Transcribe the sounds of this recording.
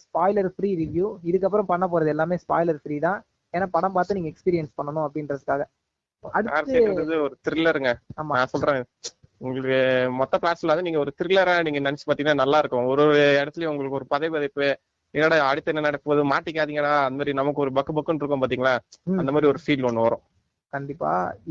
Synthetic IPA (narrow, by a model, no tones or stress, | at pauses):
spaːɪlɐɾfɾiːɾɪʋjuɪðɯkːɐpːɾɐ̃mpɐɳːɐp̬oːɾɐðɯɛlːaːmeːspaːɪlɐɾfɪɾiːt̪ãː | eːnːaːpɐɽɐ̃mpaːɾt̪ɯniːŋɡɐɛkspiːɾɪjɛnspɐɳːɐnʊ̃ɐpːɐɽɪndɾɐðɯkːaːɣɐ | ʔɐɽɯa̰ːɾt̪ːseːɾɐðɯɔɾɯt̪ɪɾɪlːɐɾɯŋɡɐaːmaːnãːsɔlrɾãːŋɪðɯ | ʊŋɡɐɭɯkːɯmɔt̪ːɐplaːʈslɐɐnd̪ɯniːŋɡɐɔɾɯt̪ɪɾɪlːɐɾaːniːŋɡɐnɐnɛt͡ʃːɯpaːt̪iːŋɐnaːnɐlːaːɪɾɯkːʊ̃ɔɾɯɛɽɐt̪ːɪlɐjʊŋɡɐɭɯkːɯɔɾɯpɐðɐpɐðɐɪpːɯ | niŋnaːɽɐɐɽɯt̪ːɛnːɐnɐɽɐkːɯpɐðɯmaːʈːɪk̬ːaːðiːŋɡɐnaːɐnd̪ɐmaːd̪ɾinɐmɐkːɯɔɾɯbɐkːɯbɐkːɯnɪɾɯkːʊ̃paːɾt̪̬iːŋɡɐnaːɐnd̪ɐmaːd̪ɾiɔɾɯfiːlɔnːɯʋɐɾõ | kɐɳɖɪpːa̰ː